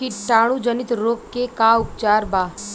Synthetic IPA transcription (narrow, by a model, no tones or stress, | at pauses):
iʈaːɽ̃ũd͡ʒənɪt̪ɾoːkːekaʊp̚t͡ʃaːɾbaː